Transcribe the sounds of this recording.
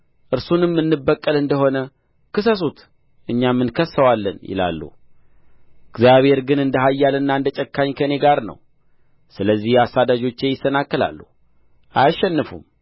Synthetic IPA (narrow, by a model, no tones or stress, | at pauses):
ʔɨɾsunɨmːɨnːɨbːəkʼːəlɨnd̪əɦo̞nə | kɨsəs̬ut̪ | ʔɨɲːamːɨnkʰəsːəwalːə̰njɪ̰la̰lːṵ | ɨɡzjaβhe̞ɾɡɨnɨnd̪əɦajːalɨnːaɨnd̪ət͡ʃʼəkːaɲkʰəne̞ɡaɾnə̰w | sɨləzːihjasad̪ad͡ʒo̞t͡ʃːe̞jɪsːənakːəla̰lːuh | ʔajʃːɛnːɨfṵm